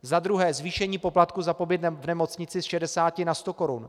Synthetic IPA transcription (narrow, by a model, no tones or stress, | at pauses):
zad̪ɾuɦɛːzviːʃɛɲiːpo̞plat̪kuzapo̞bɪt̪vnɛmo̞t͡sɲɪt͡sɪsʃɛdɛsaːcɪnast̪o̞ko̞ɾun